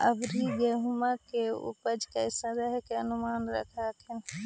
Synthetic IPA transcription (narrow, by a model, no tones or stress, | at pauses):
ɐbɾiɡeɦʊmakeʊ̰pəd͡ʒkɐɪsɐ̃ɾəɦkeɐnʊmaːnɾɐ̰kʰaːkʰɪn